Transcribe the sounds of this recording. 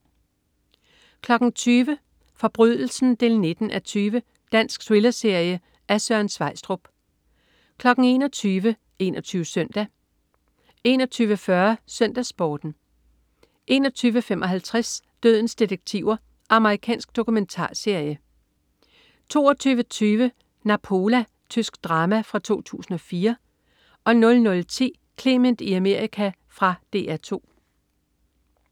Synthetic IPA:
kʰlɒ̽ɡ̥ŋ̩t͡sʰyːʋə | fɒ̽b̥ʁyð̰ˠl̩sn̩d̥e̝ːlne̝d̥n̩ʔæt͡sʰyːʋə | d̥æn̰sɡ̥swelɐse̝ɐ̰jə | æsɶɐnsʋɑ̈ɪsd̥ʁob̥ | kʰlɒ̽ɡ̥n̩e̝̰ːnɒt͡sʰyːʋə | e̝̰nʔɒt͡sʰyːʊʋəsœn̰d̥æ | e̝̰ːnɒ̽t͡sʰyːʋəfɶɐsœn̰d̥æsb̥ɒːd̥n̩ | ʔe̝̰ːnɒ̽t͡sʰyːʋəfemʔɒ̽ɦælt͡sʰʁas | d̥øð̞̰ˠn̩sd̥id̥eɡ̥̚t͡sʰiʊ̰ɐ | ʔɑ̈məʁikʰɛ̰ːnsɡ̥̚d̥o̝kument͡sʰɑ̰̈ːse̝ɐ̰jə | t͡sʰo̝̰ːɒt͡sʰyːʋət͡sʰyːʋə | næpʰo̝læ | t͡sʰysɡ̥d̥ʁɑ̈ːmæfʁɑ̈t͡sʰo̝̰ːt͡sʰṵːsn̩ɒ̽fiːɐ | ʔɒ̽nɔ̽lnɔ̽lt͡sʰḭː | kʰle̝mend̥iæme̝ɐ̰ikʰæ | fʁɑ̈d̥e̝̰ːæt͡sʰo̝̰ː

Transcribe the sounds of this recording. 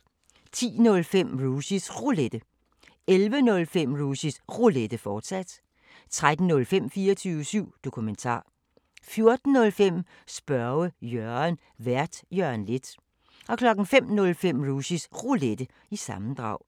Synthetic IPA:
t͡sʰḭːnɔ̽lfem̰ʁuːsisʁuled̥ə | elʋənɔ̽lfem̰ʁuɕisʁuled̥əfɒːd̥sæd̥ | t͡sʰʁad̥n̩ːɔ̽lfem̰fiːɐt͡sʰyːʊəsyʊ̰d̥o̝kʰument͡sʰɑ̰̈ː | fjo̝ɐd̥n̩nɔ̽lfem̰ | sb̥ɶɐʊjœɐn | ʋæɐ̰d̥jœɐnle̝d̥ | ʔɒ̽kʰlɒ̽ɡ̥n̩fem̰nɔ̽lfem̰ʁuːɕisʁuled̥ə | isɑ̈mn̩d̥ʁɑ̈ʊ̰

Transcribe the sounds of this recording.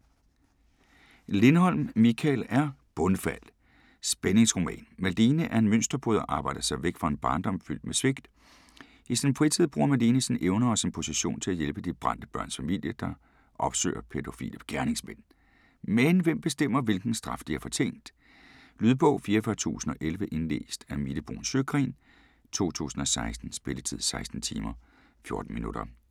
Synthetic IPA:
le̝nəhɒ̽l̰mːikʰælæɐb̥ɔ̽nfæl̰ | sb̥eneŋsʁo̝mɛ̰ːnmæld̥iːnəʔæɐe̝nmøn̰sd̥ɐb̥ʰoðˠɐʔɑ̈ːb̥ɑ̈ɪ̰d̥ɐsɑ̈ɪʋeɡ̥fɑe̝nb̥ɑ̈ːnd̥ɒ̽mfyl̰d̥̚mesʋe̝ɡ̥d̥ | isinfʁit͡sʰið̰ˠb̥ʁuːɐmæd̥iːnəsneʊnɐɒ̽sinpʰo̝siɕo̝̰ːnt͡sʰe̝æjelb̥əd̥ib̥ʁɑ̈n̰d̥əb̥ɶɐnsfæmil̰jəd̥ɑ̈ | ʔɒ̽b̥sø̰ːɐpʰed̥o̝fḭlib̥ɡ̥æɐne̝ŋsmen̰ | menʋem̰b̥e̝sd̥em̰ɐʋe̝lɡ̥n̩sd̥ʁɑ̈fd̥iæɐfɒ̽t͡sʰe̝̰ːnd̥ | lyːðˠb̥ɔ̽ʊ̰fiːɐfɶɐt͡sʰṵːsn̩ɒ̽ʔelʋəʔe̝nle̝̰ːsd̥æmid̥əb̥ʁo̝̰ːnsøɡ̥ʁḭːn | t͡sʰo̝̰ːt͡sʰṵːsn̩ɒ̽sɑ̈ɪsd̥n̩sb̥e̝lət͡sʰið̰ˠsɑ̈ɪsd̥n̩t͡sʰiːmɐ | fjo̝ɐd̥n̩minṵɾ̥ɐ̰

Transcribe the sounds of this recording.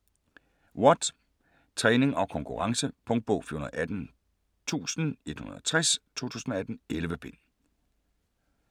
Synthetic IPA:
wɒ̽d̥ | t͡sʰʁɛne̝ŋʔɒ̽kʰɒ̽ŋkʰuʁɑ̈ŋsəpʰɔ̽ŋd̥̚b̥ɔʊfḭonɐð̩̰ˠʔæd̥n̩ | t͡sʰṵːsn̩e̝d̥hunɐð̩ˠɒt͡sʰʁɛst͡sʰo̝̰ːt͡sʰṵːsn̩ɒ̽æd̥n̩elʋəb̥e̝n̰

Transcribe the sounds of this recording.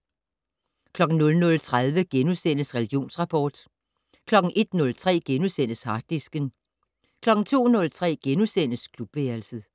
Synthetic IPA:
kʰlɒ̽ɡ̥n̩nɔ̽lnɔ̽lt͡sʰʁað̞ˠʋəɡ̥enusen̰əsʁɛliɡ̥jo̝̰ːnsʁɑ̈pʰɒːd̥ | kʰlɒ̽ɡ̥n̩ʔe̝d̥nɔ̽lt͡sʰʁɛ̰ːɡ̥enusen̰əshɑ̈d̥isɡ̥ən | kʰlɒ̽ɡ̥n̩t͡sʰo̝̰ːnɔ̽lt͡sʰʁɛ̰ːɡ̥enusen̰əskʰlub̥ʋeɐlsəð̩ˠ

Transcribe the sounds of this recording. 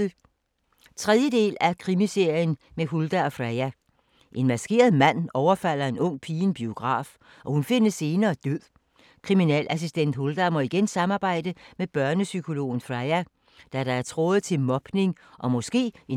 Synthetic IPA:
t͡sʰʁɛðˠjəd̥e̝̰ːlækʰʁimise̝ɐ̰jən | meɦuld̥æɒ̽fʁɑɪæ | ʔe̝nmæsɡ̥e̝̰ːɐð̩ˠmæn̰ɒʊɐfæl̰ɐe̝nɔ̽ŋ̰pʰiːnb̥io̝ɡ̥ʁɑ̰̈ːf | ʔɒ̽hunfe̝nəsːe̝ːnɐːd̥øð̰ˠ | kʰʁiminɛ̰ːlʔæs̬isd̥en̰d̥hold̥æmɒ̽iɡ̥ensɑ̈mɑ̈ːb̥ɑ̈ɪ̰d̥əmeb̥ɶɐnəsykʰo̝lo̝̰ːn̩fʁɑɪæ | d̥æɾɑ̈æɐt͡sʰʁɔ̽ːð̩ˠt͡sʰe̝lmɒ̽b̥ne̝ŋ | ʔɒ̽mɔ̽sɡ̥e̝̰ːe

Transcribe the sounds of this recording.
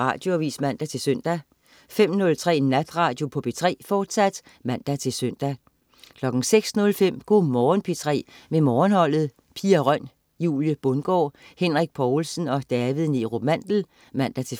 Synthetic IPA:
ʁɑ̰̈ːd̥jo̝æʋḭːsmæn̰d̥æt͡sʰe̝lsøn̰d̥æ | fem̰nɔ̽lt͡sʰʁɛ̰ːnːæd̥ʁɑ̈ːd̥jo̝pʰɒ̽b̥e̝t͡sʰʁɛ̰ːfɒːd̥sæd̥ | mæn̰d̥æt͡sʰe̝lsøn̰d̥æ | kʰlɒ̽ɡ̥n̩seɡ̥snɔ̽lfem̰ɡ̥o̝mɒːnpʰit͡sʰʁɛ̰ːmemɒːnhɒ̽l̰ð̩ˠ | pʰiːɐʁɶn̰ | jṵːljəb̥ɔ̽nɡ̥ɒ̰ːhen̰ʁiɡ̥̚pʰɒːlsən̩ɒ̽d̥æʋið̩ˠneʁo̝mæn̰d̥l̩ | mæn̰d̥æt͡sʰe̝

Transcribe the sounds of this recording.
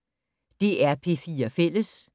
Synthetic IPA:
d̥e̝ʔæɐpʰe̝fiːɐfel̰əs

